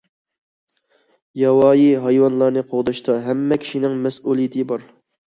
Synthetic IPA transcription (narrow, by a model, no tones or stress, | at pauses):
jɑwɑːjiɦɑjwɑnlˠɑɾnɨqʰoʁd̪ɑʃt̪ɑɦɛmːɛkʲʰi̥ʃinɪŋmɛsuːlˠijt̪ʰɪbɑɾ